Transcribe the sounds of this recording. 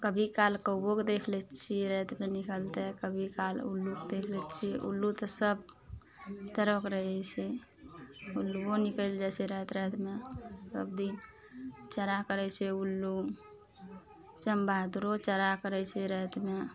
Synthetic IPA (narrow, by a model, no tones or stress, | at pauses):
kəbʱikalkəbokd̪ekʰlɛt͡ʃʰiɾət̪menikəlt̪ɛkəbʱikalṵlːukd̪ekʰlɛt͡ʃʰiʔṵlːut̪əsəb̚ | t̪əɾəkɾəɦɛt͡ʃʰɛ | ulːuonikəld͡ʒɛsɛɾət̪ɾət̪mesəbd̪in | t͡ʃəɾakəɾɛt͡ʃʰɛulːu | t͡ʃəmbad̪ɾot͡ʃəɾakəɾɛt͡ʃʰɛɾət̪me